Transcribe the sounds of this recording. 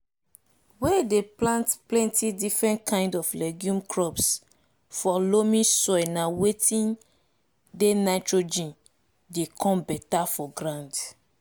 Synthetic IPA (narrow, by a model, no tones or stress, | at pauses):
wɛdeplãntplɛ̃ntidifɹɛ̃ntkãɪ̃ndɔflɛɡjũmkʰɹɔps | fɔlomĩsɔjnawetĩn | denaɪtɹod͡ʒĩn | dekʰɔ̃mbɛtafɔɡɾãnd